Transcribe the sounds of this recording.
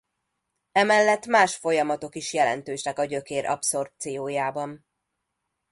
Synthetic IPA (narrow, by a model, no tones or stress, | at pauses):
ɛmɛlːɛt̪ːmaːʃfo̞jɒmɒt̪o̞kiʃjɛlɛ̰n̪t̪øːʃnɛkɒɟø̞keːɾʔɒ̰pso̞rp̚t̪sijoːjaːbɒn